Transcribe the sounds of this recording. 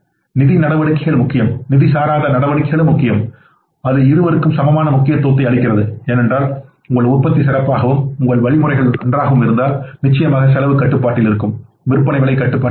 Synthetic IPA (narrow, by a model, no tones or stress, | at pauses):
nɪðinɐɽɐʋɐɽɯkːɐɪɣɐɭmʊkːɪjɐmnɪðisaːɾaːðɐnɐɽɐʋɐɽɯkːɐɣɐɭɯmːʊkːɪjɐm | ɐðɯɪɾɯʋɐɾɯkːɯmsɐmɐmaːnɐmʊkːɪjɐt̪ːoːt̪̬ːɐɪɐɭɪkːɪrɐðɯeːnɛndraːl | ʊŋɡɐɭʊrpːɐt̪ːisɪɾɐpːaːɣɐʋɯmʊŋɡɐɭʋɐɭɪmɯrɐɪɣɐɭnɐndraːɣɐʋɯmɪɾɯnd̪aːlnɪt͡ʃːɐjɐmaːɣɐs̬ɛlɐʋɯkːɐʈːɯpːaːʈːɪlɪɾɯkːɯm | ʋɪɾɯpːɐnɐɪʋɪɭɐɪkːɐʈːɯpːaː